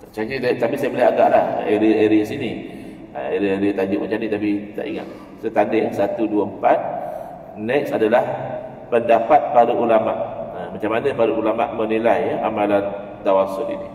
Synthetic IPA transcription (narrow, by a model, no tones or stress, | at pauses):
t̪at͡ʃait̪apisajəbəlɪaɡa̰ʔlaheɾieɾiəsini | ə̰eɾieɾit̪ad͡ʒʊʔmət͡ʃanit̪apit̪a̰ʔiŋa̰t̪̚ | sət̪andɪhsat̪uduəəmpat̪̚ | nɛksadalah | pəndapat̪̚paɾuʔulamaʔəmat͡ʃamanə̃paɾuʔulama̰ʔmə̃nilajamalan | t̪awasʊlini